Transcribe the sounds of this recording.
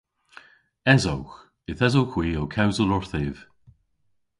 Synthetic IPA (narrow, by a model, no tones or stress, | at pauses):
ɛzowx | ɪθɛzowxwiːowkʰawzəlˠɔɹθeːv̥